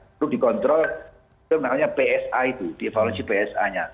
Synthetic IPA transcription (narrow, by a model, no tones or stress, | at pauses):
ɾudikɔnt̪ɾɔl | ənamaɲapeɛsait̪ud̥iefalonsipeɛsa̰ɲa